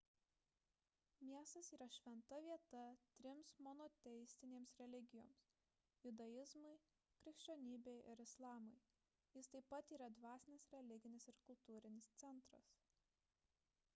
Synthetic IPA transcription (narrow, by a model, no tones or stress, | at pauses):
mʲiɛst̪ɐsiːɾɐʃʲʋʲɛnt̪ɐʋʲiɛt̪ɐt̪ʲɾʲɪmsmɔnɔt̪ʲɛjsʲt̪ʲɪnʲeːmsɾʲɛlʲɪɡʲɪjo̰ːms | jʊd̪ɐjɪzmɐɪ | kɾʲɪkʃʲt͡ʃʲoːnʲiːbʲeɪʔɪɾɪslˠɑːmɐɪ | jɪst̪ɐɪpːɐt̪iːɾɐd̪ʋɑːsʲɪnʲɪsɾʲɛlʲɪɡʲɪnʲɪsɪɾkʊlˠt̪uːɾʲɪnʲɪst̪sʲɛnˑt̪ɾɐ̰s